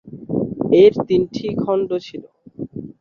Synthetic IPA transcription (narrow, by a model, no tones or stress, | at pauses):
eɾt̪inʈʰikʰɔɳɖot͡ɕʰilo